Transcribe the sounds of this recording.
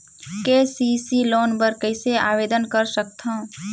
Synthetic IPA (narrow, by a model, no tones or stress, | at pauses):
kesisiloːnpəɾkəɪsea̰ːʋeːd̪ənkəɾsəkt̪ʰã